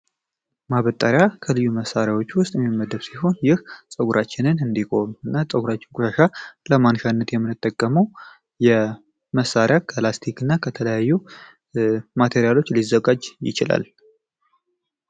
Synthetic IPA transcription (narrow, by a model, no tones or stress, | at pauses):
maβət̪ʼaɾjakʰəlɨjːuməsaɾjawo̞t͡ʃːwʊst̪ʼjɛmimːəd̪əβsiho̞njɪhsʼəɡuɾʔat͡ʃːɪnɨnɨnd̪ikʰo̞mɨnːasʼəɡuɾat͡ʃːɪnkʷʼuʃaʃaləmanʃanːət̪jɛmːɨnːɨt̪ʼːəkʼːəməw | jɛ | məsːaɾɪjakʰəlast̪ʰikɨnːakʰət̪ʰələjajːu | mat̪ʰe̞ɾijalo̞t͡ʃːlizːəɡad͡ʒjɪ̰t͡ʃɪla̰l